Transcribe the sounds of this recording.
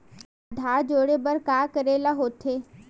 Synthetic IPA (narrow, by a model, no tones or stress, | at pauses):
d̪ʱaːd͡ʒoːɽebəɾkaːkəɾeːlaɦoːt̪ʰeː